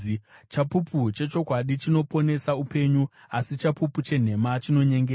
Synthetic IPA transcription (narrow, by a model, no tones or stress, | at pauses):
t͡ʃapuput͡ʃe̞t͡ʃo̞kwaɗit͡ʃino̞po̞ne̞saupe̞ɲu | asit͡ʃapuput͡ʃe̞n̤e̞mat͡ʃino̞ɲe̞ŋɡe